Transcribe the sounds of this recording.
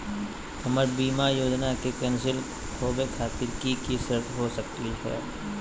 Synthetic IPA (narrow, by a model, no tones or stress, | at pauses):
həməɾbiːmajoːd͡ʒnakekɛ̃ːnsɪl | kʰoːbekʰaːt̪ɪɾkikisɾət̪ɦosəkt̪iɦɛ̰ː